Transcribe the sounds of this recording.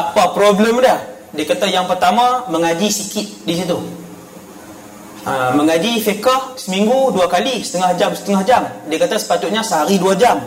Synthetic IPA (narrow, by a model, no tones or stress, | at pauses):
apapɾobləmdah | diakat̪ajaŋpərt̪amãməŋad͡ʒisikɪt̪̚dis̬it̪u | aməŋad͡ʒifekahsəmiŋɡuduakalisə̥t̪əŋahd͡ʒamsə̥t̪əŋahd͡ʒamdiakat̪asə̥pat̪ut̪̚ɲasəɦaɾiduad͡ʒam